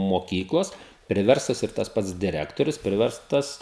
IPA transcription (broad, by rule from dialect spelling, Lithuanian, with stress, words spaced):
moːˈkʲiːklˠoːs pʲrʲɪˈʋʲɛrstoːs ɪr tɐs ˈpɐts dʲɪˈrʲæːktoːrʲʊs ˈpʲrʲɪʋʲɛrstɐs